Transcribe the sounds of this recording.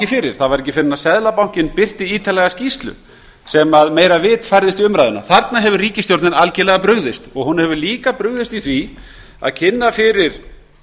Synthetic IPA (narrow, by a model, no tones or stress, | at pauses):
cɪfɪɾɪɾ̥θaðvaɾɛc̬ːɪfɪnːasɛðlapaw̥cɪnpɪr̥t̪ɪiːt̪ʰalɛɣascist̪lʏ̰ | sɛmaðmeːjɾavɪt̪fajɾðɪst̪iʏmɾajðʏna̰θaɾt̪naɦɛvʏriːcɪst̪jowɾt̪nɪnalcɪlɛɣapɾʏɣðɪst̪ɔɣhunːhɛvʏliːkapɾʏɣðɪst̪iθvi | a̰ðcʰɪnːafɪɾɪɾ̥